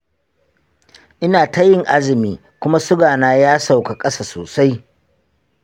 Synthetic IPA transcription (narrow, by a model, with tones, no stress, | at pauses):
ʔɪ˦naː˨ta˦jɪ˦˨ŋʔa˦zɪ˨miː˨ | kʷʊ˦ma˦sʊ˦ɡaː˨naː˦jaː˦sa˨wka˨kʼɐ˦saː˨soː˨sa˦j